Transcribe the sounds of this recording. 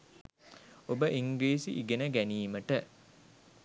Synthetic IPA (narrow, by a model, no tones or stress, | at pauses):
obəʔiŋɡleːsiʔiɡenəɡæniːməʈə